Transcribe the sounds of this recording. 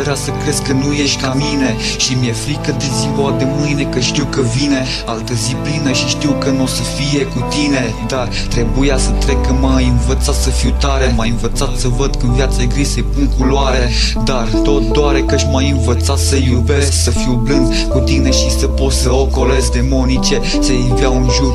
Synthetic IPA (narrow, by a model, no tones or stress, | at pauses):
eɾasəkɾe̞zkənuje̞ʃt̪ʲkamine̞ | ʃimjefɾikəd̪eziɡoad̪e̞mɨjne̞kəʃt̪iwkəvine̞ | alt̪əziplinəʃiʃt̪iwkəno̞səfije̞kut̪ine̞ | d̪ar | t̪ɾe̞bujasət̪ɾe̞kəmajɨnvət̪sat̪səfiwt̪aɾemajɨnvət̪sat̪səvəd̪kɨnvjat̪səɡɾisəjpuŋkuloaɾe̞ | d̪art̪o̞t̪̚d̪oaɾekaʃʲmajɨnvət̪sat̪səjube | səfiwblɨnd̪ | kut̪ine̞ʃisəpo̞səoko̞lezd̪e̞mo̞nit͡ʃe̞ | səjiviawɨnʒur